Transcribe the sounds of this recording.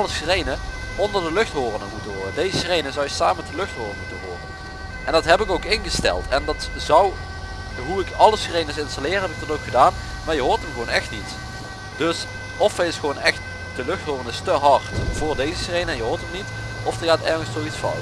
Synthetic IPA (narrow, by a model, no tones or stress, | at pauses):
ləsrejnə | ɔndəɹdəlɵxtɦoːrənəmutəɦʊːrədejzəsrejnəzɑwjəsaːməmɛtdəlɵxtɦʊːrənmutəɦo̰ːrə̰n | ʔɛndɑtɦɛpɪkowkɪnɣəstɛ̰lˠtʰɛndɑtzɑw | ɦuɪkɑləsrejnəsɪnstalɪːrɦɛbɪk̚dɑtowkχədaːn | maːɹjəɦʊːɹtəmɣəʋownɛxtnit | d̥ɵs | ɔfɛjɪsχʋownɛxt | d̥əlɵxtɦʊːrəndɪstəɦɑɹtv̥ʊːɹdejzəsrejnənjəɦoːɹtəmnit | ɔfdəɣaːtɛɹχənstsowitsf